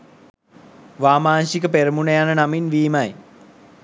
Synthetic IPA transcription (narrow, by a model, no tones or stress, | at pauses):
ʋaːmaːnɕikəpeɾəmunejanənaminʋiːmaj